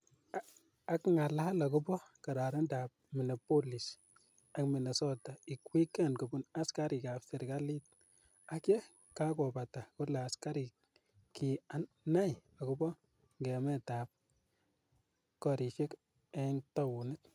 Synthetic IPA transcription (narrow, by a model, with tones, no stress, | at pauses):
a˨kŋa˨la˦ha˦la˨k̬ʊ˦bɔ˦ka˨ɾa˨ɾe˦nda˨p̚mi˨nɔ˨po˦li˨s | a˨kmi˨ne˨sɔ˦ta˨i˨kwi˦kɛ˦nko˨bu˦na˦ska˦ɾi˨ka˨psi˨ɾka˦li˦t̚ | a˨kɛ˦ | ka˦kɔ˨ba˨ta˨kʊ˦la˨a˨ska˦ɾi˨k̚ | kia˨ | na˦ja˨kubɔ˦ | ŋɡɛ˨mɛ˦taː˨p̚ | kɔ˨ɾi˨ʃe˦k | ɛ˦nta˦wu˨nɪ˦t